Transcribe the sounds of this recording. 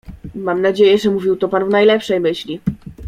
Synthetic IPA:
mamnad͡ʑejɛʐɛmuvʲiwt̪ɔpanvnajlɛpʂɛjmɘɕlʲi

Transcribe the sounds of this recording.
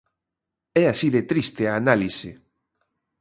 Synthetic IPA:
ɛasiðet̪ɾist̪eaːnalise

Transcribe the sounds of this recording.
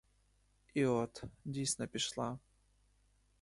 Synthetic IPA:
iɔt̪dʲisʲnɐpʲɪʂlˠa

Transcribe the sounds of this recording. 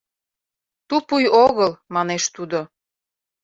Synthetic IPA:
t̪upujoɣəlmɑneʃt̪ud̪o

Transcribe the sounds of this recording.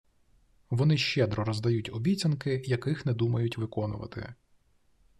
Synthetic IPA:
ʋɔnɪʃt͡ʃɛd̪ɾɔɾɔzd̪ɐjutʲɔbʲit͡sʲɐnkɪjɐkɪxnɛd̪umɐjʊtʲʋɪkɔnʊ̰ʋɐ̰t̪ɪ̰

